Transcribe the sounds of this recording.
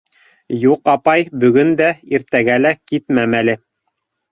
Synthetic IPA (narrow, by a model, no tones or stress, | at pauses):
juqɑpɑjbɵ̆ɡɵnd̪æiɾt̪æɡælækit̪mæmælɘ